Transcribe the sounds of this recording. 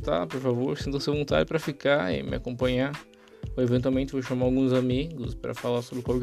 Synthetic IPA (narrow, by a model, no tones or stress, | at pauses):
t̪a̰poɾfavoɾsẽnt̪ɐseɐvõnt̪a̰d͡ʒɪpɾɐfikaɪ̰mɪakõmpɐ̃ɲa | evẽnt̪wawmẽnt͡ʃ̪ɪvoʃamaawɡũzamiɡʊspɾɐ̰falaɾsobɾɪkaɾɡ